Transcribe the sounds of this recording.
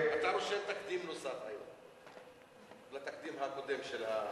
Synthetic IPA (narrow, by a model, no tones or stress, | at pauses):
at̪aɾoʃelt̪akd̪imnosafa̰jo̰m | lat̪akd̪imɦako̞d̪e̞mʃela